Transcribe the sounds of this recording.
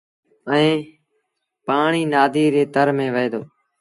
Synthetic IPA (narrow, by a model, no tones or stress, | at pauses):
əẽː | paːɳiːnaːd̪ʱiːɾeːt̪əɾmẽːʋəeːd̪oː